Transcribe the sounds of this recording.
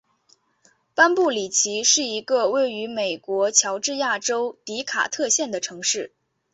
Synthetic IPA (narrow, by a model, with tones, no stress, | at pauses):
pa˥npu˥˩li˨˩t͡ɕʰi˧˥ʂɻ̩˥˩i˧˥ɡə˧we˥˩ɪy˧˥me˨˩ɪkwɔ˧˥t͡ɕʰjɑ˧˥ʊʈ͡ʂɻ̩˥˧ja˥˩ʈ͡ʂo˥ʊt̪i˧˥kʰa̰˨˩t̪ʰɤ˥˧ɕjɛ˥˩nd̪ə˩ʈ͡ʂʰɤ˧˥ŋʂɻ̩˥˩